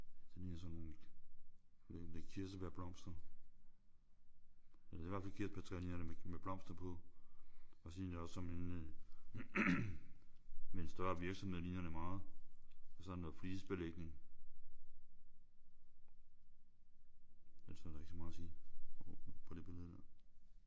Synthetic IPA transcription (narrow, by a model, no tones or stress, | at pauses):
d̥elinɐsɒnːon | ed̥ekʰiɐ̰səb̥eɐb̥lɒ̽m̰sd̥ɐ | elɐd̥e̝ʋæɐfælkʰiɐd̥ʰet͡sʰʁlinɐdeemeb̥lɒ̽m̰sd̥ɐpʰɒ̽ | ɒsindeɒssɒ̽men | mensd̥ɶɐʋiɐɡ̥sɒ̽mheð̰ˠlinɐdemɑ̈ːð̩ˠ | ɒsɒnɔfliːsb̥eleɡ̥̚ne̝ŋ | ælsd̥ɑeɡ̥smɑ̈ːsiː | pʰɒd̥e̝b̥e̝lð̩ˠd̥æɐ̰